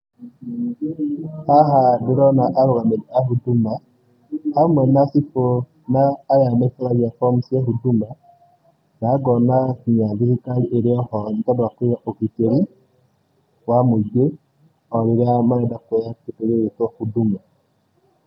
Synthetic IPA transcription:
haɦaduɾɔnaʔaɾoɣameɾiahuduma | hamwɛnasipo | naːjamaifaɾaɣafɔmusjaɦuduma | naɡɔnakiɲaðihikaliʔeɾeɔhɔɲtadwakwewaʔokiteɾi | wamod͡ʒwe | ɔɾiɾamaɛdakejaketeɾeetwahuduma

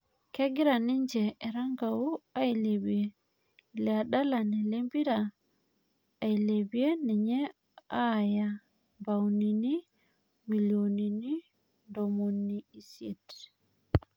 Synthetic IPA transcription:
kɛɡiɾaniɲd͡ʒɛɛɾaŋɡawuajlebie | lɛaɗalanɛlembiɾa | jlebienɛɲɛ | aja | bawnini | milionini | ndomonːiisɛt

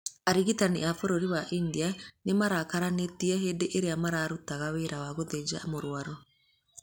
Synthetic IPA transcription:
aɾiɣitaniafoɾoɾiwaʔindianemaɾakaɾanetiɛɦeːndeʔeɾeamaɾaɾutaɣaweɾawaɣoðed͡ʒamoɾwaɾɔ

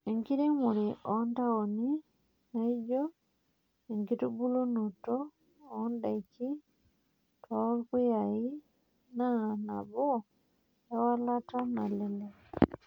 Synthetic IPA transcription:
eŋkiɾemuɾiʔontaoni | naiɟɔ | eŋkitubulunutɔː | ndaiki | talkwijai | nana̰βo | jawalatanalele

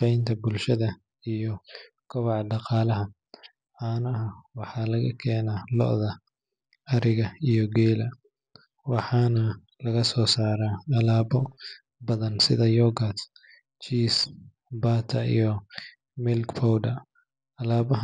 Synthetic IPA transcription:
ɛjnt̪ʰɐbʊlʃɐðɐ | ijɔ | kʰɔβɑʕɖɑqɑːlɐɦɐ | ʕɑːnɐɦɐwɑħɑlɐɣɐ̰kʰɛːnaːlɔ̰ʔðɐ | ɐɾɪɣɐijɔɡɛːlɐ | wɑħɑːnɐ | lɐɣɐsɔːsaːɾaːɐlaːbɔ | bɐðɐnsɪ̰ðɐjɔɡɐt̪ | t͡ʃiːs | baːt̪ʰɐḭjɔ | mɪlkpʰɔwɖɐ | ɐlaːβɐɦ

